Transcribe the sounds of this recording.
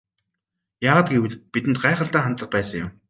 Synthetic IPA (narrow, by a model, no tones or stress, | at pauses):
jaːʁaːt̪̚ɡewɘ̆ɮpit̪ɘ̆nt̪ɢaːχə̆ɮt̪æːχant̪ɮə̆χpæːsə̆ŋjʊ̰m